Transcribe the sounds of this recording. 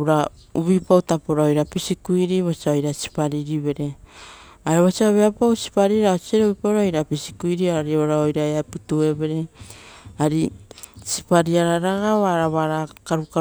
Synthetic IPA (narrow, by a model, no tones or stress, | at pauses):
ɾa | uβipawtapoɾaojɾapisikuiɾiβot͡ʃaojɾasi̥paɾiɾiβe̞ɾe̞ | aɾeβasiaβeapawsi̥paɾiɾaosieɾeβipaɾaojɾapisikujɾioaɾioɾaojɾaeaputue̞βe̞ɾe | aɾisi̥paɾiaɾaɾaɡaβaɾaβaɾakaɾuka